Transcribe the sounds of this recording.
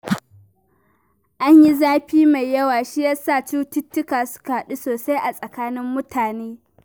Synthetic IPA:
ʔa˦ɲji˦zaː˦ɸiː˦ma˨jjːɐ˦waː˨ʃi˦jaː˦saː˦˨t͡ʃuː˦tʊ˦tːʊ˦kaː˨sʊ̥˦ka˨ha˨ɗi˦soː˨sa˦jʔa˨sʼɐ˨kaː˦nɪ˦mːʊ˦tʰaː˨neː˦

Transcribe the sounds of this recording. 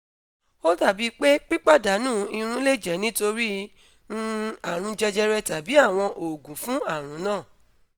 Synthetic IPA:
o˦ta˦˨bi˨˦k͡pe˦k͡pi˦k͡pa˦˨da˨˦nũː˦˨i˧ɾ̃ũ˦le˦˨d͡ʒɛ˨˦nĩ˦to˧ɾi˦ | nũ˦a˨ɾ̃ũ˧d͡ʒɛ˧d͡ʒɛ˧ɾɛ˧ta˨bi˨˦a˦˨w̃ɔ̃˧ʔo˨ɡũ˨˦fũ˦a˦˨ɾ̃ũ˨˦nãː˦˨

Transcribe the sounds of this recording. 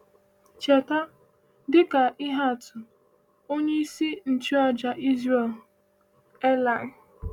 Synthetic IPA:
t͡ʃe˨ta˦ | dɪ˦ka˨ʔɪ˦ɦa˦˨tʊ˨ | o˦ɲe˦i˦si˦n̩˨t͡ʃi˦ɔ˦d͡ʒa˨ʔi˦zɾe˨l | ɛ˦la˨

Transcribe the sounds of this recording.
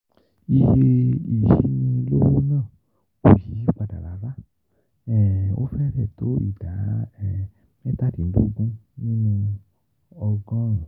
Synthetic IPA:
i˧he˧i˨ʃi˨˦nĩ˧lo˦wo˦nãː˦˨ | ko˦˨ji˨˦i˦k͡pa˧da̰˨la˨˦va˦ | ɛ˨o̰˦fɛ˦fɛ˦˨to˨˦ḭ˦˨da˨˦ɛ˨ | mɛ˦ta˦˨di˨n̩˦du˦˧ɡũ˦nĩ˦nũ˧ | ɔ˧ɡɔ̃˦ɾ̃ũ˨

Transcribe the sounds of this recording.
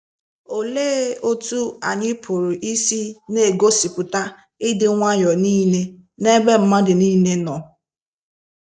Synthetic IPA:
o˨leː˦o˦tu˦a˨ɲɪ˦pʰʊ˨ɾʊ˨ʔi˦si˦ne˦˨ɡo˦si˨pʊ˨ta˦ | ɪ˦dɪ˨ŋʷa˦jɔ˨niː˦ne˦ne˦be˦m̩˦ma˦dɪ˨niː˦ne˦nɔ˨

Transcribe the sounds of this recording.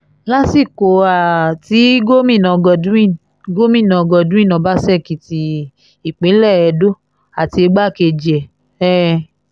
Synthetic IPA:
la˦si˦˨ko˨a˨ti˨˦ɡo˦mĩ˦˨nã˨˧ɡɔ˧˨dũ˦ĩ˦˨ | ɡo˦mĩ˦˨nã˨˧ɡɔ˧˨dũ˦ĩ˦˨nɔ̃˨˦ba˦sɛ˦˨ki˨ti˧ | i˨k͡pẽ˨˦lɛ˦˨ɛ˧˨do˦ | a˨ti˧e˧ɡ͡ba˦˨ke˧˨d͡ʒi˨ɛ˨ | ɛ˦

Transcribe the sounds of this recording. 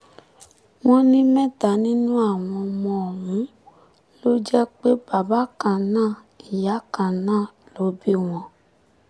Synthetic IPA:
w̃ɔ̃˦nĩ˦mɛ̃˦˨ta˨nĩ˦nũ˦a˦˨w̃ɔ̃˧mɔ̃˧ɔ˨ɦũ˨˦ | lo˦d͡ʒɛ˦k͡pe˦ba˨ba˨˦kã˧˨nãː˦˨ | i˨ja˨˦kã˧˨nãː˦˨lo˨˦bi˦w̃ɔ̃˨

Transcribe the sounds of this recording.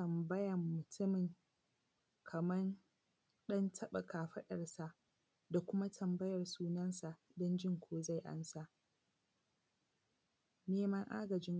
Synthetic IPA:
ɐ˨mbɐ˦jɐ˨mːʊ˨tʰʊ˦mɪ˨ŋ | kʰɐ˨mɐ˦n | ɗɐ˦ntʰɐ˦ɓɐ˨kʰaː˨ɸɐ˦ɗɐ˨rsa˨ʔ | da˨kʷʊ˦ma˦tʰɐ˨mbɐ˦jɐ˨rsuː˦nɐ˦nsa˨ʔ | dɔ˦nd͡ʒɪ˦ŋkʷʰoː˦za˦˨jʔa̰˦nsa˦˨ʔ | neː˦mɐ˦ŋʔa̰ː˦ɡɐ˨d͡ʒɪ˦ŋ

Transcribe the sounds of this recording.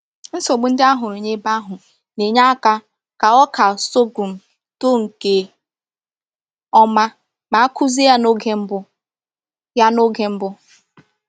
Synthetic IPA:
n̩˦so˨ɡ͡bʊ˦n̩˦dɪ˦a˦ɦʊ˨ɾe˨ɲe˦ba˦ɦʊ˨ | ne˨ɲa˦ka˦ | ka˨ɔ˦ka˨so˦ɡu˨m̩˨ | to˦ŋ̩˨ke˦ | ɔ˦ma˦ | ma˨a˦ku˦zi˦ja˦no˦ɡe˦m̩˦bʊ˦ | ja˦no˦ɡe˦m̩˦bʊ˦

